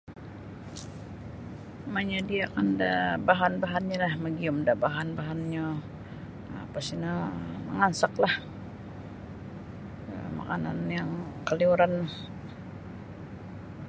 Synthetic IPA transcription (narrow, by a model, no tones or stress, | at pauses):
maɲadiakanda̰baɦanbaɦanɲalahməɡiʊmdaʔbaɦanbaɦanɲa | apasinamə̰ŋansaklah | ə̰ma̰ka̰na̰njaŋkəliuɾanma